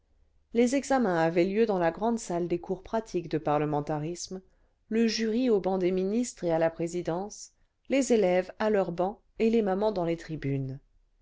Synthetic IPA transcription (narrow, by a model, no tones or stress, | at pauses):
lezɛɡzamɛ̃avɛljød̪ɑ̃laɡʁɑ̃d̪sald̪ekuʁpχat̪ʰikd̪əpaʁləmɑ̃t̪aʁism | ləʒyʁiobɑ̃d̪eminist̪χealapχezid̪ɑ̃s | lezelɛvalœʁbɑ̃ | elemamɑ̃d̪ɑ̃let̪χibyn